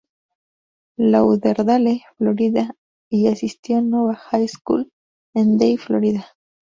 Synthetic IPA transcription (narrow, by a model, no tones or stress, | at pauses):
lauðeɾðaleflo̞ɾiða | iasist̪jo̞nweβaxajskṵl | end̪ejflo̰ɾiða